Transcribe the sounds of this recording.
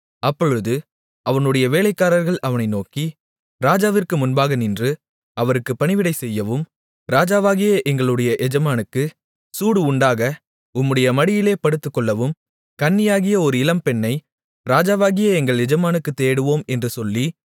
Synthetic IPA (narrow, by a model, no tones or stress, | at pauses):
ɐpːɔɻɯðɯ | ʔɐʋɐnɯɽɐjɐʋeːlɐɪkːaːɾɐɾɣɐɭʔɐʋɐnɐɪnoːki | ɾaːd͡ʒaːʋɪrkɯmʊnbaːɣɐnɪndrɯ | ɐʋɐɾɯkːɯpːɐɳɪʋɪɽɐɪsɛjːɐʋɯm | ɾaːd͡ʒaːʋaːɣɪjɐʔɛŋɡɐɭɯɽɐjɐʔɛd͡ʒɐmaːnɯkːɯ | suːɽɯʊɳɖaːɣɐ | ʊmːɯɽɐjɐmɐɽɪjɪleːpɐɽɯt̪ːɯkːɔɭːɐʋɯm | kɐɳːɪjaːɣɪjɐɔɾɯɪlɐmpɛɳːɐɪ | ɾaːd͡ʒaːʋaːɣɪjɐɛŋɡɐɭɛd͡ʒɐmaːnɯkːɯt̪ːeːɽɯʋoːmɛndrɯsɔlːi